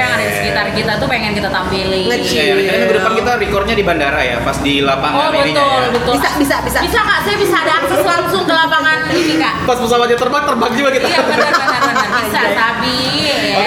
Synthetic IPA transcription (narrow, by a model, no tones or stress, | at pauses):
jaŋaasə̥kit̪arkit̪at̪upeŋɛnkit̪at̪ampilɪŋət͡ʃadimaɡədəpankit̪arikɔrd̪̚ɲadibandaɾaja̰pasdilapaŋɔbət̪ʊlbət̪ʊlisabisabisabisaŋaʔsajabisaːdaŋsʊŋlaŋsʊŋd̪əlapaŋankapaspəs̬awat̪̚ɲat̪ərbak̚t̪ərbak̚d͡ʒuɡakit̪a | abisat̪abi